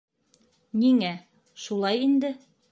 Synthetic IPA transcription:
niŋæ | ʃulˠɑjind̪ɘ

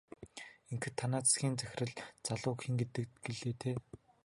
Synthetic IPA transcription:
eŋkɘ̆t̪ʰːanaːt͡ssɡʲiːnt͡sæx̆ʲrɘ̆ɮt͡saɮʊːkxiŋɡet̪ɘ̆k̪ɡeɮeːt̪ʰeː

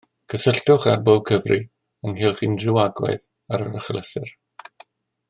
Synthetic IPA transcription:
kʰəsəɬtʊχarbob̚kʰəvrʔi | əŋɦɪlˠχindrɪwaɡwɛ̰ɨð | aɾəɾəχləsɪ̰r

